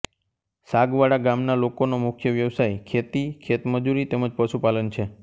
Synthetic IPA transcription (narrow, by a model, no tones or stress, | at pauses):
saɡʋaɽaɡamnalokonomʊkʰjəʋjəʋsajkʰet̪ikʰet̪məd͡ʒuɾit̪eməd͡ʒpəʃupalənt͡ʃʰe